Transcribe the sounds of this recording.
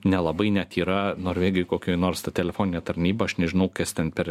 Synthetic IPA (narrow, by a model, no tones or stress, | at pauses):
nʲɛlˠɐbɐɪnʲɛt̪iːɾɐnoːɾʲʋʲeːɡʲɪjʊkoːkʲoːnoːɾst̪ɐt̪ʲɛlʲɛfoːnʲɪnʲɛːt̪ɐɾʲnʲiːbɐɐʃnʲɛʒʲɪnɐʊkɐst̪ʲɛnpʲɛɾ